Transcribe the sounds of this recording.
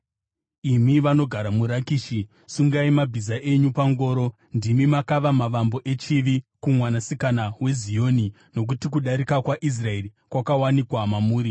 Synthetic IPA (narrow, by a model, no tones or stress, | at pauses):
imiʋano̞ɡʱaɾamuɾakiːʃi | suŋɡaimabʱizaʔe̞ɲupaŋɡo̞ːɾo̞ | ndimimakaʋamaʋambo̞ʔe̞t͡ʃiʋikumwanasikanawe̞zijo̞ni | no̞k̬utik̬uɗaɾikakwaʔis̬rae̞ri | kwakawanikwamamuːɾi